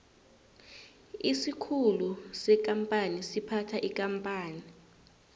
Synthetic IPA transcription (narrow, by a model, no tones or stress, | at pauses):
isikʰulusɛk̬ʼampʼanisipʰatʰaʔikʼampʼaːni